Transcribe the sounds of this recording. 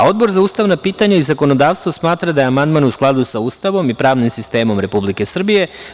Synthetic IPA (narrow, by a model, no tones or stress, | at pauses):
ao̞d̪bo̞ɾzauːst̪aʋnapiːt̪aɲaizako̞no̞d̪aːʋst̪vʋo̞smaːt̪ɾad̪ajeamand̪manusklˠad̪usauːst̪aʋo̞mipɾaːʋnimsist̪e̞ːmo̞mɾe̞publike̞sr̩bije̞